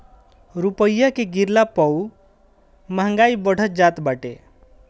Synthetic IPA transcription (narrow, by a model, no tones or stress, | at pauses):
ɾupəjːakeɡiɾlapɔw | məɦə̃ŋɡaibəɽ̤ʱət̚d͡ʒat̪baʈḛ